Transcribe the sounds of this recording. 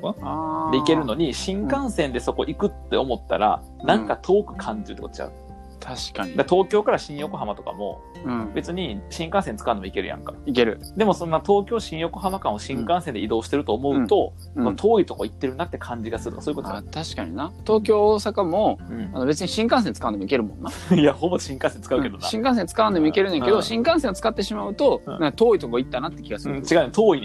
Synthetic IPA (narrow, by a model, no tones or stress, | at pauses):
ad̪eike̞ɾɯ̟no̞ɲ̟iɕĩŋkãɰ̃sẽ̞nd̪e̞so̞ko̞̰ʔikɯ̟t̪ːe̞̰o̞mo̞t̪ːa̰ɾa̰ | nãŋkat̪ʰo̞ːkɯ̟̥kʰãɲ̟d͡ʑiɾɯ̟t̪ːkot̪t͡ɕa̰ɯ | t̪ʰaɕi̥kaɲid̪at̪o̞ːkʲo̞ːkaɾaɕĩɰ̃jo̞ko̞ɦamat̪o̞ka̰mõ̞̰ | be̞t͡sɨɲ̟iɕĩŋkãsẽ̞nt͡sɨ̥kaɯ̟nomoike̞ɾɯ̟jʔã̰ŋkḁike̞ɾɯ̟ | d̪e̞mo̞sõ̞nːat̪o̞ːkʲo̞ːɕĩɰ̃jo̞ko̞ɦamakãɰ̃o̞ɕĩŋkãɰ̃send̪e̞id̪o̞ːɕi̥t̪e̞ɾɯ̟t̪oːmo̞ɯ̟t̪o̞ | ɯ̃mat̪ʰo̞ːit̪o̞koit̪ːe̞ɾɯ̟nd̪at̪ːe̞kʰãɲ̟d͡ʑiɡasɨɾɯt̪okasoːiɯkot̪oat̪aɕi̥ka̰ɲ̟ḭnat̪o̞ːkʲo̞ːsakamo̞ɯ̃ano̞be̞t͡sɨɲ̟iɕĩŋkãɰsẽ̞nt͡sɨ̥kaɯ̃nd̪emoike̞ɾɯ̟mõ̞nːaijahoboɕĩŋkãsent͡sɨ̥kaɯked̪ona̰ɕĩŋkãs̬ẽnt͡sɨ̥kaɯnd̪emoike̞ɾɯ̟nẽked̪o̞ɕĩŋkãɰ̃sẽ̞t͡sɨ̥kat̪ːe̞ɕimaɯ̟t̪o̞ãkat̪o̞ːit̪o̞koit̪ːanat̪ːe̞kʲiɡasɨɯ̃t͡ɕiɡaɯ̟net̪oːinẽ